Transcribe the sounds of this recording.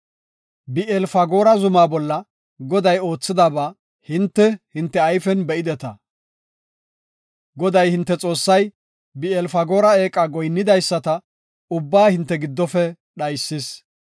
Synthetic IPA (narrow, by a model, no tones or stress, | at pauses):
bɪʔɛlfɐɡo̞ːɾɐzʊmaːbɔlːɐ | ɡɔd̪ɐjo̞ːt͡sːɪd̪aːba | hɪnt̪ːɛhɪnt̪ːɛɐjfɛnbɛɪd̪ɛt̪ɐ | ɡɔd̪ɐjhɪnt̪ːɛt͡sʼo̞ːsːɐj | bɪɛlfɐɡo̞ːɾɐe̞ːkʼɐɡɔjnːɪd̪ɐjsːɐt̪ɐ | ʊbːaːhɪnt̪ːɛɡɪd̪ːɔfɛ | ɗɐjsːɪs